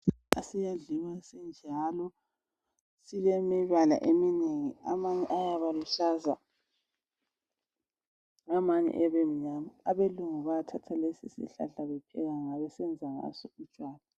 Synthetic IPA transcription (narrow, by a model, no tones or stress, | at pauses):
a̰sijaɮiwasɛnd͡ʒʱalɔ | silɛmiβala̰ʔemineŋiamaɲɛ̰ʔajaβaluɬaza̰ | ŋamaɲɛ̰ʔɛβem̩ɲamaaβeluŋuβaatʰatʰalesḭsḭɬa̰ɬaβɛpʰɛ̰ɣaŋaβɛsɛnd͡zʱaŋa̰sɔut͡ʃʼwaːla